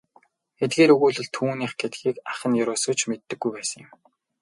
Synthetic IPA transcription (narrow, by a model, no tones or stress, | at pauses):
xet̪̚ɡeːɾɵɣuːɮɘ̆ɮt̪ʰuːniːχɡet̪ɡiːkaχə̆njʊɾʊːsə̆t͡ɕmet̪ːɘ̆ɡːujpæːsə̆ŋjɪ̆m